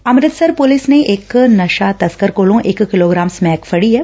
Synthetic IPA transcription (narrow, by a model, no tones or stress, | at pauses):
ɐmɾɪt̪sɐɾpʊlɪsneʔeːknɐʃat̪ɐskəɾkoːlõʔeːkːɪloːɡɾaːmsmɛːkfʰɐɽiɦɛ